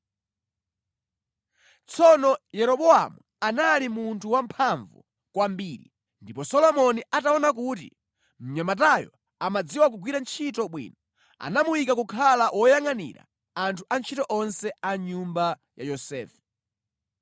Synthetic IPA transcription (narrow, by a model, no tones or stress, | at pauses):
t͡sʰɔnɔjɛɾɔɓɔa̰mu | analimuntʰuwampʰaɱvṵ | kwambiːɾi | ndipɔsɔlɔmɔniʔataɔnak̬ut̬ḭ | m̩ɲamat̬ajɔ̰ | amad͡ziwak̬uɡwiɾant͡ʃʰitɔɓwḭːnɔ | a̰namuwikakukʰalawʔɔjaŋanḭɾa̰ | antʰuʔant͡ʃʰitɔʔɔnsɛaɲumba | jajɔsɛ̰ːfɛ̥